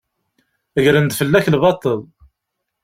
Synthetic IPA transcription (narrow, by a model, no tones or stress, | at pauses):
əʝɾənd̪fəlːæçlbɑt̪ˤːəlˤ